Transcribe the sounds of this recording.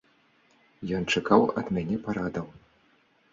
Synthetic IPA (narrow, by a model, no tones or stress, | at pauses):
jɔnt͡ʂakawɐ̰d̪mʲanʲɛpaɾad̪ɐw